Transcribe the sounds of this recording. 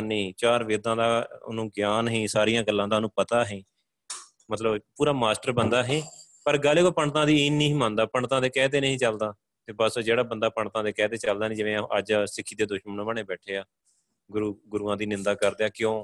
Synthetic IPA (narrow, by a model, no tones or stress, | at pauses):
niːt͡ʃaːɾʋɪːɾd̪ãːd̪aːʊ̰nũːɡɪjaːnɦĩːsaːɾijãːɡəlːãːd̪aːnũːpət̪aːɦĩː | mət̪ləbpuːɾaːmaːsʈəɾbənd̪aːɦẽː | pəɾɡəleːkoːpəɳt̪ãːd̪iːiːnĩːmãːnd̪aːpəɳt̪ãːd̪eːkɛːt̪eːnəɦĩːt͡ʃəld̪aː | t̪eːbəsd͡ʒeːɽaːbənd̪aːpəɳt̪ãːd̪eːkɛːt̪eːt͡ʃəld̪aːnẽːd͡ʒɪʋẽːəd͡ʒsɪkʰːiːd̪eːd̪ʊʃmənʋəɳeːbɛːʈʰeːaː | ɡʊɾuːɡʊɾuːãːd̪iːnɪ̃nd̪aːkəɾd̪eːaːkɪjõː